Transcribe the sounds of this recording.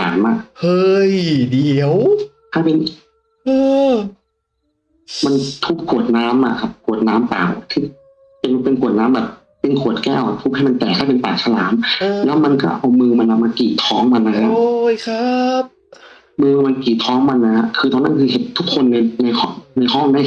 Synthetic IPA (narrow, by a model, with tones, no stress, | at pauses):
aː˨˩˦mʔa˨˩ʔhɤ˧jdi˨˩ə˩w | kʰaː˥˩jpe˧n | ʔɤː˧ | ma˧nt̪ʰu˦˥p̚kʰu˨˩ət̪̚naː˦˥mʔa̰˨˩kʰa˦˥p̚kʰu˨˩ət̪̚naː˦˥mt̪a̰ː˨˩wt̪ʰiː˧˩ | t͡ɕe˧˩m˧pe˧nkʰu˨˩ət̪̚naː˦˥mbɛː˨˩p̚ | pe˧nkʰu˨˩ət̪̚kɛː˥˩wa˧˩t̪ʰu˦˥p̚hjma˧nt̪ɛː˨˩k̚ʰa˥˩jpe˧npaː˨˩k̚sʰa˧laː˩˦mː˧lɛː˦˥wma˧nkɔ̰˥˩ʔa˧wmɯː˧ma˧nla˧maː˧kiː˨˩t̪ʰɔː˦˥ŋma˧nːa˧kʰa˦˧jkʰa˦˥p̚ | mɯː˧ma˧nkiː˨˩t̪ʰɔː˨˦˥ŋma˧nːa˧kʰa˦˥kʰɯː˧ɔː˧ŋna˧˥˨nkʰɯː˧ɦe˨˦t̪ʰːu˦˥kʰːo˧nːa˧na˧jkʰɔ˥˩ŋna˧jkʰɔː˥˩ŋda˥˩j